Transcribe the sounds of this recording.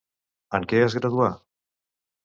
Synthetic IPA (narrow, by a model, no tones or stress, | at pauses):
əŋkeazɣɾaðua